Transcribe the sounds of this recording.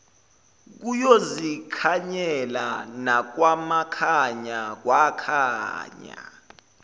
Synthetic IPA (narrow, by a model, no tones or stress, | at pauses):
k̬ujozikʰaɲɛlanak̬wamakʰaɲak̬wakʰa̰ːɲa̰